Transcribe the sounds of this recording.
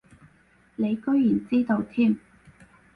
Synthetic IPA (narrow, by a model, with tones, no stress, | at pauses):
ne˨˧jkɵ˥ɥjyː˨˩nt͡siː˥t̪o˧wt̪ʰiː˥˩m